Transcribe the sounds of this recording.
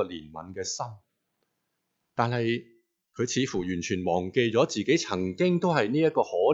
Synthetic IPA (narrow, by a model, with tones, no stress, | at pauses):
ɔ˧liː˨˩nmɐ̰˨˧nkɛː˧sɐ˥m | t̪aː˨nhɐ˨j | kʰɵ˨˧ɥt͡sʰiː˨˧˥fuː˨˩jyː˨˩nt͡ʃʰyː˨˩nmɔː˨˩ŋke˧jt͡sɔː˨˥t͡siː˨ke˨˥jt͡sʰɐ˨˩ŋkɪ˥ŋt̪o˥whɐ˨jniː˥jɐ˥t̚kːɔː˧hɔː˨˥